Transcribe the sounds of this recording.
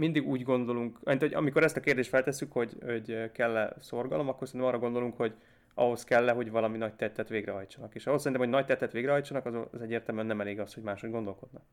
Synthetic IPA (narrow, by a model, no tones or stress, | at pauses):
mind̪iɡuːɟɡo̞nd̪o̞luŋkinoɒ̰miko̞ɾɛst̪ɒkeːrd̪eːʃt̪fɛlt̪ɛsːykho̞ɟo̞ɟkɛlːɛsorɡɒ̰lo̞mɒkːorsɛnːmɒːrːɒɡo̞nd̪o̞luŋkho̞ɟ | ɒɦo̞skɛlːɛɦo̞ɟvɒlɒminɒɟ̚t̪ɛt̪ːɛt̪ʋeːɡrɛɦɒjt͡ʃɒnɒkeːʃɒɦosɛɾint̪mhonɒɟt̪ɛt̪ːɛt̪ʋeːɡrɛɦɒjt͡ʃːɒnɒkɒzzɛɟːeːrt̪ɛlmyɛnːɛmɛleːɡɒsho̞ɟmaːʃhodɡo̞nd̪o̞lko̞d̪nɒk